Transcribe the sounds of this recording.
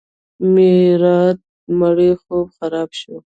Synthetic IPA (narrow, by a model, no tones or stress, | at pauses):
meɾɑt̪̚ | maɽexobxaɾɑbʃo